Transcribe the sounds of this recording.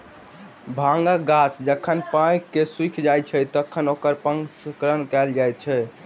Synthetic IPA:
bʱãŋɡaɡasd͡ʒəkʰənpãjkeswikʰd͡ʒajt͡ʃʰɛt̪əkʰːənokəɾpəŋɡskɾənkɛld͡ʒajt͡ʃʰɛ

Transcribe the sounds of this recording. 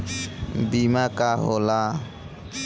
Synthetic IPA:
bimakaɦola

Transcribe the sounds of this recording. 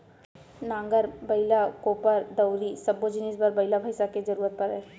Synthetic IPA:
nãŋɡəɾbəjlakopəɾd̪əwɾisəbod͡ʑinisbəɾbəilabʱəjsaked͡zəɾuːɾət̪̚pəɾə

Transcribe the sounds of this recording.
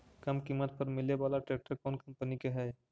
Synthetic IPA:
kɐmkiːmət̪̚pɐɾmɪlebaːlaʈɾeːk̚ʈəɾkɔːnkɐ̃mpənikeɦɛː

